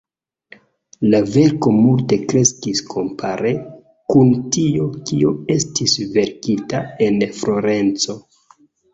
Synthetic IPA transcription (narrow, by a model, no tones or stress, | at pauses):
lave̞ɾko̞multe̞kɾe̞skiskʰo̞mpʰaɾe̞ | kuntiokioe̞stisve̞ɾkitae̞nfɾo̞ɾe̞nt͡so̞